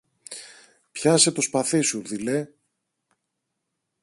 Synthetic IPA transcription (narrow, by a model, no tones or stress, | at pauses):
pçɐse̞t̪o̞spɐθisuðile